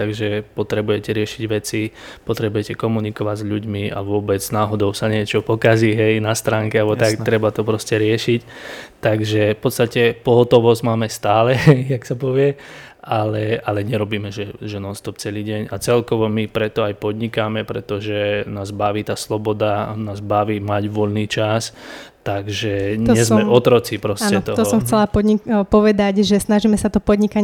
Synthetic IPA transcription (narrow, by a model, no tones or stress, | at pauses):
t̪aɡʒɛpɔt̪ɾɛbujɛcɛɾɪɛʃiɟʋɛt͡sipɔt̪ɾɛbujɛcɛkɔmunikɔʋaɟzʎuɟmiʔa̰ʋʊɔbɛd͡znaːɦɔd̪ɔʊsaɲɪɛt͡ʃɔpɔkaziɦɛjnast̪ɾaːŋkɛalɛbɔt̪akt̪ɾɛbat̪ɔpɾɔscɛɾɪɛʃict̪aɡʒɛfpɔt̪st̪acɛpɔɦɔt̪ɔʋɔzɟmaːmɛst̪aːlɛjaksapɔʋɪɛʔalɛalɛɲɛɾɔbiːmɛʒɛʒɛnɔlst̪ɔp̚t͡sɛliːɟɛɲat͡sɛlkɔʋɔmipɾɛt̪ɔajpɔd̪ɲikamɛpɾɛ̰t̪ɔʒɛnaːzbaʋiːt̪aːslɔbɔd̪anaːzbaʋiːmaɟʋɔʎniːt͡ʃast̪aɡʒɛɲɛzmɛɔt̪ɾɔt͡sipɾɔsaːcnɛɔt̪ɔt̪ɔsɔmxt͡sɛlapɔipɔʋɛd̪aɟʒɛsnaʒimɛsat̪ɔpɔd̪ɲikaɲ